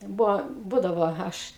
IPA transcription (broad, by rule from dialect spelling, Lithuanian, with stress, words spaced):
ˈbʊʋoː ˈbuːdɐʋoː ˈɐʃ